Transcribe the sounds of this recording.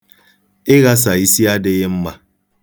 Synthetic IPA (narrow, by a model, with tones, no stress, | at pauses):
ɪ˦ɣa˦s̬a˨i˦si˦a˦dɪ˦ɣɪ˦m̩˦ma˦